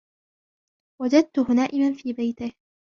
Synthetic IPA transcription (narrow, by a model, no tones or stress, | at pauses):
wad͡ʒad̪̚t̪ʊhʊnaːʔɪmanfiːbajt̪ɪh